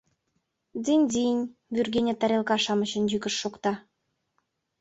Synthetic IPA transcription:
d̪inʲd̪inʲβyrɡenʲĕt̪æɾʲelkɑʃɑmə̆t͡ɕə̆njykə̆ʃːokt̪ɑ

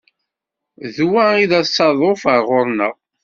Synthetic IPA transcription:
ðwæiðæsːɑðˤofəɾʁʊɾˤnəʁ

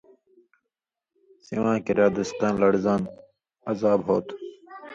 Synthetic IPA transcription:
siʋãːkiɾjaːd̪əst̪ãːnlɐɽzaːn | ɐzaːbɦoːt̪

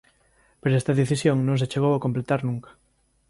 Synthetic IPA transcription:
peɾoest̪ɐðeθisjoŋnõŋs̬et͡ʃeɣowakomplet̪aɾnũŋkḁ

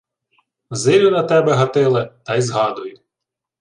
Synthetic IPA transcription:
zɪlʲʊnɐt̪ɛbɛɦɐt̪ɪlˠɪt̪ɑjzɦɑd̪ʊjʊ

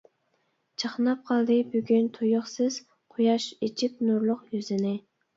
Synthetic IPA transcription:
t͡ʃʰəχnɑp̚qʰɑlˠd̪ɨbyɡʲynt̪ʰojʊχsɨz̥ | qʰʊjɑʃet͡ʃʰip̚nuɾlˠʊqjyzɪnɪ

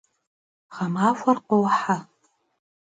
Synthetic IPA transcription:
χamaːfʷɐrqowħa

